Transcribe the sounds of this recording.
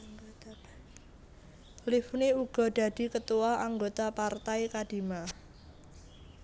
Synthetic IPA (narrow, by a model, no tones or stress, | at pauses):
t̪elifuniuɡ̥ɔ̤ɖ̥a̤d̥i̤kət̪uwaaŋɡot̪apart̪ajkad̥i̤ma